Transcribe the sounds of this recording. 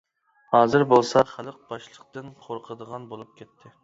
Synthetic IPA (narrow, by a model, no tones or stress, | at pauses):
hɑːzɨɾbolˠsɑχælˠəq̚bɑʃlˠəq̚t̪ɨnqʰoɾqʰəd̪əʁɑnbolˠup̚kʲʰet̪ʰːɪ